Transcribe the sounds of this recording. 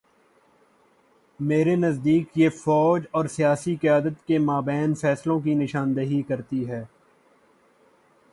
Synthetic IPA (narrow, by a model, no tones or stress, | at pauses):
meːɾenɐzd̪iːkjefɔːd͡ʒɔːɾsijaːsiqɪjaːd̪ət̪kemaːbɛːnfɛːslõk̬inɪʃaːnd̪əɦikɐɾt̪iɦɛː